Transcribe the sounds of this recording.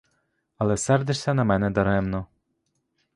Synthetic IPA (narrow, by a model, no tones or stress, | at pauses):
ɐlˠɛsɛrd̪ɪʃsʲɐnɐmɛnɛd̪ɐɾɛmnɔ